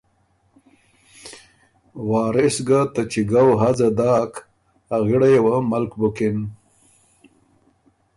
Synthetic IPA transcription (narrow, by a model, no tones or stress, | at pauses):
wɑːɾɪsɡat̪at͡ʃiɡawɦazad̪ɑːk | aɣɪɽajewaməlkbukɪn